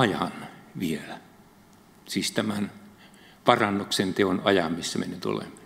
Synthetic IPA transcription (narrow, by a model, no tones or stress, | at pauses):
ɑjɑnʋielæ | siːst̪æmæn | pɑrɑnːuksent̪eonɑjɑmmisːæmḛnyt̪o̰lḛmɑ